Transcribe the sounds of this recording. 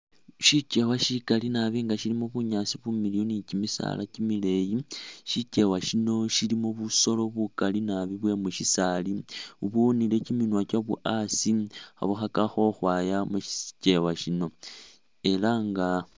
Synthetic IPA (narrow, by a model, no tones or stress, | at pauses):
ʃice̞waʃikalinaβiŋɡaʃilimoβuɲasiβumilijonicimisa̰lʔa̰cimile̞jiʃice̞waʃino̞ʃilimoβuso̞lo̞βukalinaβiβwe̞muʃisaliuβunile̞ciminwacaβṵʔasia̰βuxakaxo̞xwajamuʃi̥ce̞waʃino̞ | e̞laŋɡa